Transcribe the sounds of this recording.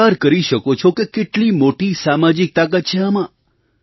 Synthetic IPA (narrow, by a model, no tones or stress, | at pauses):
aɾkəɾiʃəkot͡ʃʰokekeʈlimoʈisamad͡ʒik̚t̪ak̬at̪t͡ʃʰeamã